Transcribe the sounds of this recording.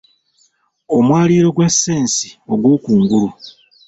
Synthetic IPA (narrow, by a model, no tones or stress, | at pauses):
o̞mwaːliːɾo̞ɡwasːe̞ːnsi̥o̞ɡwoːkuːŋɡulu